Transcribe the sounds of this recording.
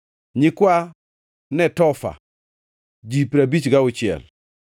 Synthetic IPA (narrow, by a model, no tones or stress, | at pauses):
ɲikua | nɛtɔfa̰ | d͡ʒipiɾabit͡ʃiɡawut͡ʃiɛ̰l